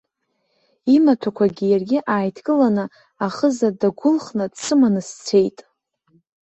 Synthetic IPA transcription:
imatʰakʷʰaɡʲɪjarɡʲɪʔaːjtʰkʼɨlanɨ | aχəzadaɡʷʊlχnɨdsʰɨmanɨst͡sʷʰe̞jtʼ

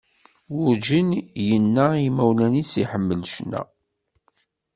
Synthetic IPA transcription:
wʊɾd͡ʒinjənːaimæwlænisiħəmːəlʃnæ̰

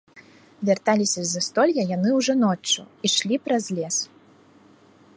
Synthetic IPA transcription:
vʲart̪alʲisʲɐzɐst̪ɔlʲjɐjanɨwʐɔnɔt͡ʂːṵiʂlʲipɾɐzʲlʲɛs

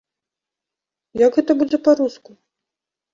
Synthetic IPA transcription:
jɐɡɣɛt̪ɐbud͡zʲɛpaɾusku

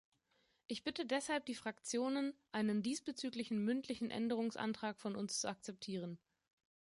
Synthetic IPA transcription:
ʔɪçb̥ɪtədɛshalp̚d̥iːfʁ̥akt͡sjoːnənʔaɪnəndiːsb̥ət͡syːklɪçn̩mʏntʰlɪçn̩ʔɛ̰ndəʁ̞ʊŋsʔa̰ntʁ̥aːkfɔnʊnst͡suak̚t͡sɛp̚tʰiːʁ̞ən

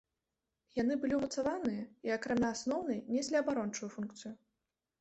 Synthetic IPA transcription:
jan̪ɨbɨlʲiumɐt̪savanɨjɐiɐkɾamʲaːsnɔwnɐjnʲɛsʲlʲiɐbaɾɔnt͡ʂujufunkt̪sɨju

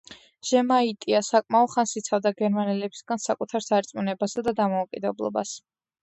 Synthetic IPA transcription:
ʒ̥ɛmait̪ʼiasakʼmaɔd̪χansit̪sʰavd̪aɡɛɾmanɛlɛbʰi̥sɡansakʼut̪ʰaɾsaɛɾt̪sʼmunɛbasad̪ad̪amɔukʼid̪ɛblˠɔ̰ba̰s

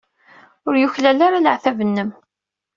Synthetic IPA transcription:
ʊɾjuçlælaɾaləʕθævənːəm

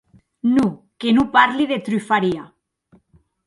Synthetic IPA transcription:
nu | kenupaɾliðet̪ɾyfaɾia

